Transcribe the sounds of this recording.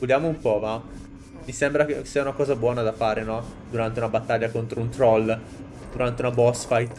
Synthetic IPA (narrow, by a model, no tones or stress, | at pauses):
ud̪jaːmoumpɔva | misembɾakesːiːaunakɔːzabwɔːnad̪afaːɾenɔd̪uɾant̪̬eunabat̪ːaʎːakont̪ɾount̪ɾɔl | d̪̥uɾant̪eunabɔsfajt̪